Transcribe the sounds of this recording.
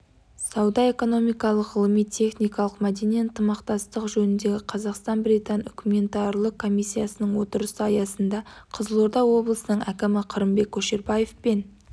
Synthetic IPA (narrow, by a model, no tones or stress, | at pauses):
sɑwd̪ɑe̞ko̞no̞mijkɑlˠəqʁəlˠəmijt̪ʰe̞χnijkɑlˠəqmæd̪e̞nijənt̪əmɑqt̪ɑst̪əqʒɵnɪnd̪e̞ɡʲɪqʰɑzɑqst̪ɑnbɾit̪ɑnʏkʲume̞nt̪ɑrlˠəkʰːo̞mijsʲːijasənəɴwo̞t̪əɾəsəɑjɑsənd̪ɑqʰəzəlˠoɾd̪ɑwːo̞blˠəsənəɴækʲɪmɪqʰəɾəmbe̞kʲʰːɵʃeɾbɑje̞fpen